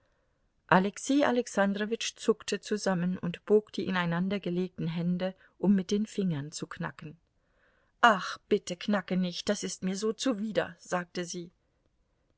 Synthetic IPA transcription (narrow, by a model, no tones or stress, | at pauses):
ʔalɛkseːʔa̰lɛksandʁovɪt͡ʃt͡sʊktʰət͡suzamənʊ̰ntb̥oːkd̥iːʔɪnaɪnandɐɡəleːk̚tn̩ɦɛndə | ʔʊmːɪt̚d̥eːnfɪŋɐnt͡sukna̰kn̩ | ʔaχb̥ɪtəkʰnakənɪçt̚d̥asɪstmiːɐzoːt͡suviːdɐ̰z̥aːk̚təziː